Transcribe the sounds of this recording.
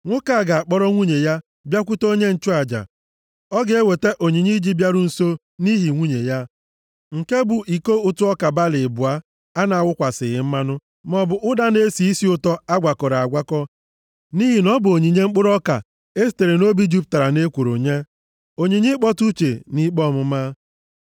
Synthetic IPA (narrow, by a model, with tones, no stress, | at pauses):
ŋʷʊ˦ka˨ɡa˨a˨k͡pɔ˦ɾɔ˦ŋʷu˦ɲe˨ja˦ | bja˦k̬ʷʊ˦to˦ɲe˦n̩˨t͡ʃʊ˦a˨d͡ʒa̰˨ | ɔ˦ɡe˦we˨te˦ʔo˨ɲi˨ɲi˦d͡ʒi˦bja˦ɾʊ˦n̩˨so˦ | ni˦ɦi˨ŋʷu˦ɲḛ˨ja˦ | ŋ̩˨ke˦bʊ˨ʔi˨ko˦ʊ˦tʊ˦ɔ˦ka˨ba˦lɪ˨bʊ˨a˦ | a˦na˨a˨wʷʊ˦kʷa˨sɪ˨ɣɪ˦m̩˦ma˦nʊ˦ | mɔ˨bʊ˨ʔʊ˦da˦ne˦si˨i˦si˦ʊ˦tɔ˦a˦ɡʷa˨kɔ˨ɾa˨a˨ɡʷa˦kɔ˦ | ni˦ɦi˨nɔ˦bʊ˨o˨ɲi˨ɲe˦ŋ͡m̩˦k͡pʊ˦ɾɔ˦ka̰˨ | e˦si̥˦˨te˨ɾe˨no˦bi˦d͡ʒu˦p̚ta˨ɾa˨ne˦kʷo˨ɾo˨ɲe˦ | o˨ɲi˨ɲi˦k͡pɔ˦tu˦t͡ʃe˨ni˦k͡pɔ˦˨mʊ˦ma˦